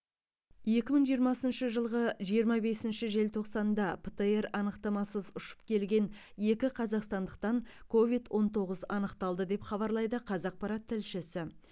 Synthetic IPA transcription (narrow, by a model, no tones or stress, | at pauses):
je̞kʲɪməŋɴʒijəɾmɑsənʃəʒəlˠʁəʒijəɾmɑbe̞sɪnʃɪʒe̞lt̪ʰo̞qsɑnd̪ɑpʰət̪əe̞ɾɑnəqt̪ɑmɑsəzʊʃə̥p̚kʲʰe̞lɡʲe̞n | je̞kʲɪqʰɑzɑqst̪ɑnd̪əq̚t̪ɑŋkʰo̞vijd̪wʔo̞nt̪ʰo̞ʁəzɑnəqt̪ɑlˠd̪əd̪e̞pχɑβɑɾlˠɑjd̪əqʰɑzɑq̚pɑɾɑt̪ʰːɪlʃɪsɪ